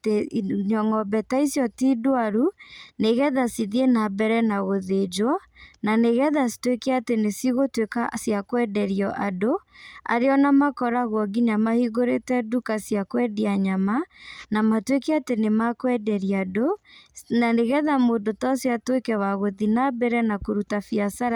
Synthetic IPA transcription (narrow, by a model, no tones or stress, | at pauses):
teɲɔŋɔbɛtaisjɔtidoaɾuneɣɛðasiðienabɛɾɛnaɣoðed͡ʒwɔ | naneɣɛðasi̥twekeatenesiɣotwekasjakwɛdɛɾiɔʔadoa̰ɾeɔnamakɔɾaɣwɔɡiɲamahiɣoɾetɛdukasjakwɛdiaɲamanamatwekeatenemakwɛdɛɾiadonaneɣɛðamoːndotɔsiatwekɛwaɣoðinabɛɾɛnakoɾutafiasaɾa